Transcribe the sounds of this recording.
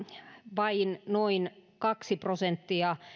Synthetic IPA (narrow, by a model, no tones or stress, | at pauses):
ʋɑinnoinkɑksiprosent̪ːiɑ